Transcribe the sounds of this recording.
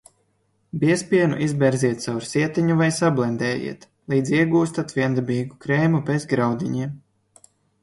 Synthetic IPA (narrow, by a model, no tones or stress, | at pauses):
biɛspʲiɛnṵʔizbʲɛɾziɛt̪̚sawɾsiɛt̪iɲuvajsablˠɛnd̪ɛːjḭɛt̪ | lˠiːd̪zʲiɛɡuːst̪at̪viɛnd̪ɛbʲiːɡukɾeːmupezɡɾawd̪ʲiɲiɛm